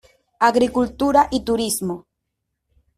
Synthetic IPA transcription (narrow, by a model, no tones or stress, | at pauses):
aɡɾikult̪uɾaʔit̪ʊɾismo